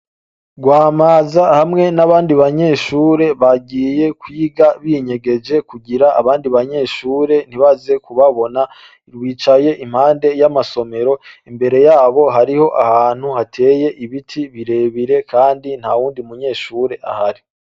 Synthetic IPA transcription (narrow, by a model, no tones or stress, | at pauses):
ɡwaːmaːzahamŋe̞naβaːndiβaɲe̞ːʃuːɾe̞βaɡiːje̞kwiːɡaβiɲe̞ɡe̞d͡ʒe̞kuɡiɾaːβaːndiβaɲe̞ːʃuːɾe̞n̥iβaze̞kuβaβo̞na | ɾwiːt͡ʃaje̞ʔim̥haːnde̞jamaso̞me̞ɾo̞imbe̞ɾe̞jaːβo̞ɦaɾiho̞ʔahaːn̥huhatʰe̞ːje̞ʔiβitʰiβiɾe̞ːβiɾe̞kʰaːndin̥hawuːndiumuɲe̞ːʃuːɾe̞ʔa̰haɾi